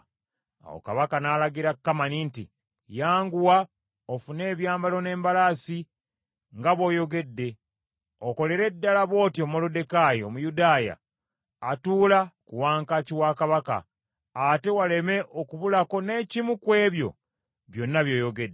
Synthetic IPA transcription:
a̰wo̰ka̰βakanaːlaɡiɾakːamanintḭ | jaːŋɡuwa | ofune̞ːβjaːmbalo̞ne̞ːmbalasi | ŋɡaβo̞ːjo̞ɡe̞dːe̞ | oko̞le̞ɾe̞dːalaβo̞ːtio̞molode̞kajiomujudaːja̰ː | tuːlakuwaːŋkaciwakaβaka̰ː | te̞wale̞me̞ʔokuβulako̞ne̞ːcimukwe̞ːβjo̞̰ | βjo̞nːaβjo̞ːjo̞ɡe̞dːe

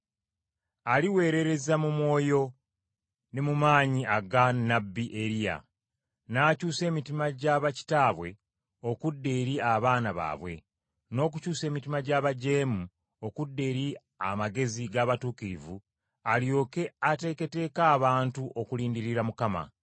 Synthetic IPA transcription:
aliwe̞ːɾe̞ɾe̞zamumwo̞ːjo̞ | nemumaːɲiaɡanabiʔeɾija̰ | naːcuːse̞ːmitimaɟaβaci̥taːβwe̞ | o̞kudːe̞ːɾiaβaːnaβa̰ːβwe̞̰ | no̞ːk̬ucuːse̞ːmitimaɟaːβaɟe̞ːmu | o̞kudːe̞ːɾi | a̰maɡe̞ziɡaːβatuːkiɾivu | aljo̞ːke̞ate̞ːke̞te̞ːkaːβaːntuʔokuliːndiɾiɾamukama̰

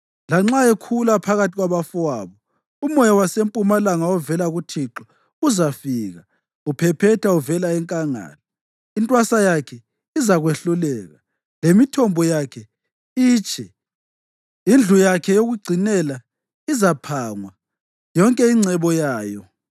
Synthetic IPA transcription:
laŋ͡ǁaekʰulapʰaɣatʰiɣwaβafuwaβɔ | umɔjɔwasempʼumalaŋaɔvɛlaɣutʰiǁɔ | uzafiːɣa | upʰɛpʰɛtʰauvɛlaɛŋkʼaŋa̰ːlɔ | intʼwasajakʰɛ | izaɣweɬulɛːɣa | lemitʰɔmbʱɔjakʰɛ | iːt͡ʃʼʰɛ | ind͡ɮʱujakʰɛjoɣuɡ͡ǀʱinɛla | izapʰaːŋwa | jɔŋkʼɛiŋ͡ǀɛβɔjaːjɔ

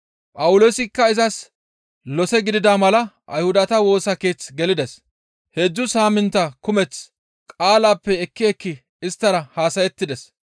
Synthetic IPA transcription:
pʼɐwʊlo̞ːsɪkːɐɪzɐs | lɔsɛɡɪd̪ɪd̪aːmɐlɐʔɐ̰jhʊd̪ɐt̪ɐwo̞ːsɐke̞ːt͡sɡɛlɪd̪ɛs | he̞ːd͡ʒːʊsaːmɪnt̪ɐkʊmɛt͡s | kʼaːlaːpːɛɛkːɪɛkːɪ | ɪst̪ːɐɾɐhaːsɐjɛt̪ːɪd̪ɛs

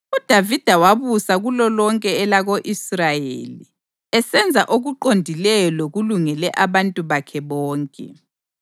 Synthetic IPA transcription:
ud̥ʱavid̥ʱawaβusaɣulɔlɔŋkʼɛːlaɣoʔisrajḛli | ɛsɛnd͡zʱaʔoɣuǃondʱilɛjɔloɣuluŋɛlɛʔaβantʼuβakʰɛβɔːŋkʼɛ̰

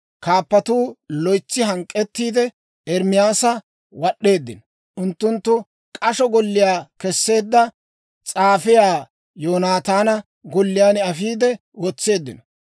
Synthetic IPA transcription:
kaːpːɐt̪uːlɔjt͡sːɪɦɐŋkʼːɛt̪ːiːd̪ɛ | ɛɾmɪjaːsɐ | wɐɗːe̞ːd̪ːɪ̰nɔ | ʔʊnt̪ːʊnt̪ːʊ | kʼɐʃɔɡɔlːɪjaːkɛsːe̞ːd̪ːɐ | t͡sʼaːfɪjaː | joːnaːt̪aːnɐ | ɡɔlːɪjaːnɪɐfiːd̪ɛ | wɔt͡sːe̞ːd̪ːɪ̰nɔ

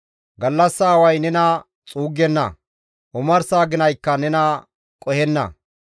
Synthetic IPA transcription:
ɡɐlːɐsːaːwɐjnɛnɐ | t͡sʼuːɡːɛnːɐ̰ | ʔʊmɐɾsaːɡɪnɐjkːɐnɛnɐ | kʼɔhɛnːɐ̰

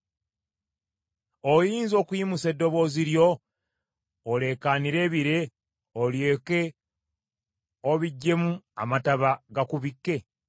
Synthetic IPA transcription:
ojiːnzo̞ːkujimuse̞dːo̞βo̞ːziɾjo̞ | le̞kaniɾe̞ːβiɾe̞ | oljeke̞ | oβiɟːe̞mua̰mataβaɡakuβikːe̞

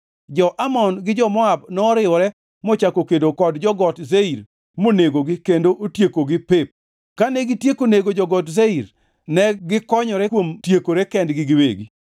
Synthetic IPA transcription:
d͡ʒɔʔamɔnɡɪd͡ʒɔmɔabnɔːɾɪwɔɾɛ | mɔt͡ʃakokedokɔdd͡ʒɔɡɔtzeiɾ | moneɡoɡɪkendoʔotjekoɡɪpɪp̚ | kanɛɡɪtjekoneɡod͡ʒɔɡɔtzeiɾ | nɛɡɪkɔɲɔɾɛkwomtjekoɾɛkɛndɡɪɡɪwḛɡi

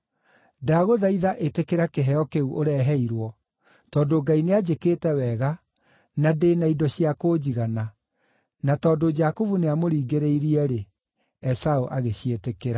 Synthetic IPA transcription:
daɣoðaiðaʔetekeɾakeɦɛɔkeuʔoɾɛɦɛiɾwɔ | tɔːdoɡainead͡ʑekeːtɛwɛɣa | nadeːnaidɔɕiakod͡ʑiɣana | natɔːdod͡ʒakovuneamoɾiːɡeɾeiɾiɛɾe | ɛsaoʔaɣeɕietekeɾa

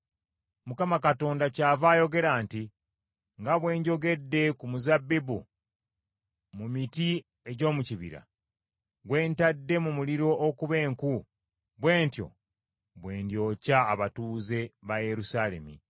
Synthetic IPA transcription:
mukamakato̞ːndacaːvaːjo̞ɡe̞ɾaːnti | ŋɡaβwe̞ːɲɟo̞ɡe̞dːe̞kumuzabːibṵ | mumiti | e̞ɟo̞ːmuciβḭɾa̰ | ɡwe̞ːntadːe̞mumuliɾo̞ʔːkuβe̞ːŋku | βwe̞ːntjo̞̰ | βwe̞ːndjo̞ːcaːβatuːze̞βaje̞ɾusaːle̞̰mḭ

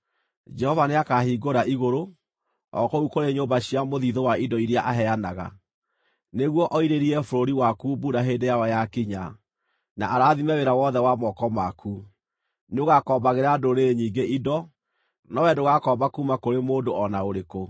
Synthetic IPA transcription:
d͡ʒɛhɔvaneakahiːɡoɾaʔiɣoɾo | ɔ̰koukoɾeɲombaɕiamoðiðowaidɔiɾjaʔaɦɛanaɣa̰ | neɣwɔʔɔiɾeɾiɛfoɾoɾiwakubuɾaɦedejaɔjakiɲa | naʔːɾaːðimɛweɾawɔðɛwamɔkɔmakʰu | neoɣakɔːbaɣeɾadoɾeɲiːŋɡeʔidɔ | nɔwɛdoɣakɔbakumakoɾemoːndoɔnaoɾeko

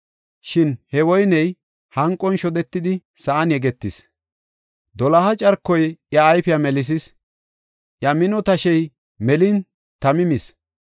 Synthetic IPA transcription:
ʃɪnhɛwɔjnɛj | hɐŋkʼːɔnʃɔd̪ɛt̪ːɪd̪ɪsɐʔɐnjɛɡɛt̪ːɪs | d̪ɔlɐhɐt͡ʃʼɐɾkːɔjjɐːjfɪjɐmɛlɪs̬ɪs | ʔjɐmɪnɔt̪ɐʃɛj | mɛlɪn | t̪ɐmɪmɪs

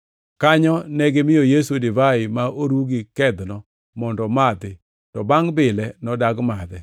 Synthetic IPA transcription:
kaɲɔnɛɡɪmɪjɔjesudivaɪmaʔoɾuɡɪkɛd̪nɔ | mɔndɔmad̪ɪ | tɔbaŋbɪlɛnɔdaɡmad̪ɛ

